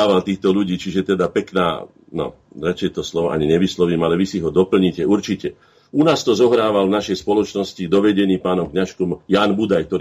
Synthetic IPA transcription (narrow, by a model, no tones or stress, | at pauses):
aːʋalt̪iːxt̪ɔʎuɟiːt͡ʃiʒɛt̪ɛd̪apɛkna̰ː | nɔ̰ | d̪ɾat͡ʃɪɛt̪ɔslɔʋɔʔa̰ɲiɲɛʋislɔʋiːmalɛʋisiɦɔd̪ɔpl̩ɲicɛuɾt͡ʃicɛ | unaːst̪ɔzɔɦɾaːʋalvnaʃɛjspɔlɔt͡ʃnɔscid̪ɔʋɛɟɛniːpaːnɔmkɲaʃkɔmjaːnbud̪ajk̚t̪ɔɾ